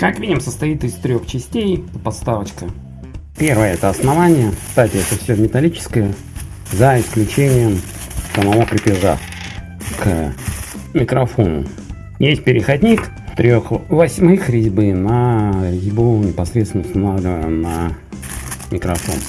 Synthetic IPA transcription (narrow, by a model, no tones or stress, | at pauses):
kakvʲidʲɪmsəst̪ɐit̪ɨst̪ɾʲo̞xt͡ɕɪsʲtʲejt̪əpɐt̪st̪avət͡ɕkə | pʲe̞rvəjəɛt̪əɐsnɐvanʲɪjəkst̪atʲɪɛt̪əfsʲomʲɪt̪ɐlʲit͡ɕɪ̥skəjə | zəɪsklʲʉt͡ɕenʲɪjəm | səmɐmupɾʲɪpʲɪʐa̰ | k | mʲɪkɾɐfonʊ̰ | jesʲt̚ʲpʲɪɾʲɪxɐdʲnʲik | t̪ɾʲoxvɐsʲmɨxɾʲɪzʲbɨnəɾʲɪzʲbunʲɪpɐsɾʲet̪sʲɪnəʊst̪ɐnavlʲɪvəjɪmnə | mʲɪkɾɐfo̞̰n